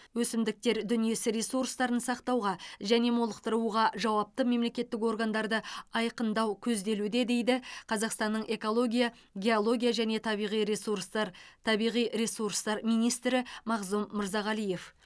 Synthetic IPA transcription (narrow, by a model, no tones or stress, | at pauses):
wɵsɪmd̪ɪk̚t̪e̞ɾd̪ʏnije̞sɪɾe̞suɾst̪ɑɾənsɑqt̪ɑwʁɑʒæne̞molˠəq̚t̪əɾəuʁɑʒɑwɑp̚t̪əme̞mle̞kʲe̞t̪ːɪk̬o̞ɾɡand̪ɑɾd̪əɑjqənd̪ɑwkʲʰɵzd̪e̞lud̪e̞d̪e̞jd̪ɪqʰɑzɑqst̪ɑnːəɴʔe̞ko̞lˠo̞ɡʲija | ɡʲe̞olˠo̞ɡʲijaʒæne̞t̪ʰɑbijʁijsust̪ʰɑbijʁijɾe̞suɾst̪ɑɾmijnijst̪ɾɪmɑʁzumːəɾzɑʁɑlˠije̞f